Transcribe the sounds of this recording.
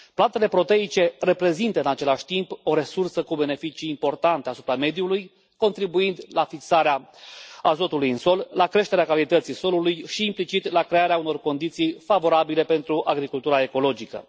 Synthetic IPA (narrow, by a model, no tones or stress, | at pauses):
plant̪e̞le̞pɾo̞t̪e̞it͡ʃe̞re̞pɾe̞zint̪əɨnat͡ʃe̞laʃʲt̪impo̞ɾe̞sursəkube̞ne̞fit͡ʃiːmpo̞rt̪ant̪easu̥pɾame̞d̪juluj | ko̞nt̪ɾibuind̪lafiksaɾeaazo̞t̪ulujɨnso̞llakɾe̞ʃt̪e̞ɾeakalit̪ət̪siso̞lulujʃiːmplit͡ʃit̪lakɾe̞aɾeauno̞rko̞nd̪it̪sijfavo̞ɾabile̞pe̞nt̪ɾuʔaɡɾikult̪uɾae̞ko̞lo̞d͡ʒikə̰